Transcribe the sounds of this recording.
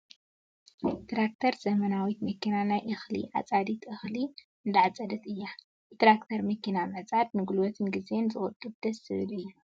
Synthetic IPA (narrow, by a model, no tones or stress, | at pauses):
t̪ɾak̚t̪ʰɐɾzɐmɐnawit̪mɐkːinanajʔɨxlḭʔʕa̰t͡sʼad̪it̪ʰɨxli | ɨnd̪aʕt͡sʼɐd̪ɐt̪ɨjːa | t̪ɾakt̪ʰɐɾmɨkːinamɐt͡sʼad̪̚nɨɡulwɔt̪ʰɨnɡize̞nzɨχʼɔt̪ʼːub̚d̪̥ɐsːɨβɨlɨjːu